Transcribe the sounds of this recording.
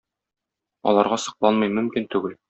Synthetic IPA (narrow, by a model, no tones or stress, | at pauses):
ɒ̰lˠɑɾʁɑsɤ̆qlˠɑnmɤjmɵ̆mkint̪ʉɡɘl